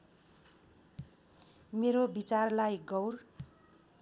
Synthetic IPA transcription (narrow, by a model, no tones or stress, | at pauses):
meɾobit͡sarlajɡʌwr